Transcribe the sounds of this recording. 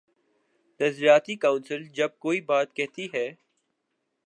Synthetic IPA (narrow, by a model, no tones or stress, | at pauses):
t̪ɐzɾijaːt̪ikãːʊ̃nsɪld͡ʒɐb̚koːibaːt̪̚kɛɦt̪iɦɛː